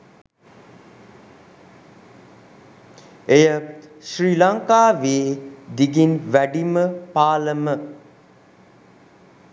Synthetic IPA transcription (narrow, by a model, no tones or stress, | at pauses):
ejəʃriːlaŋkaːʋeːd̪iɡinʋæɖiməpaːləmə